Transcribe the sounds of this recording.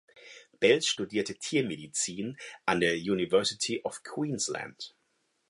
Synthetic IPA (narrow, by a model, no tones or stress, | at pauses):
b̥ɛlsʃtudiːɐtətʰiːɐmedit͡siːnʔandeːɐjuːnivɛɐsɪtʰiʔɔfkʰw̥iːnslæ̰nt